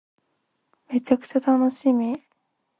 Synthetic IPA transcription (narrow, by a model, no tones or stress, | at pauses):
me̞t͡ɕakɯ̟̥t͡ɕat̪ano̞ɕimʲi